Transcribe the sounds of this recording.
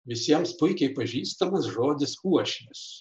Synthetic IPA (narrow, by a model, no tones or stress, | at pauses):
ʋʲɪsʲiɛmspʊɪkʲɛɪpɐʒʲiːst̪ɐmɐsʒoːd̪ʲɪsuɔʃʲnʲɪs